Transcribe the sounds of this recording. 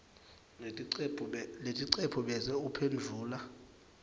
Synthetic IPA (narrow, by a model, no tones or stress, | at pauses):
letʼiǀepʰuɓɛzɛupʰend͡ɮʱuːla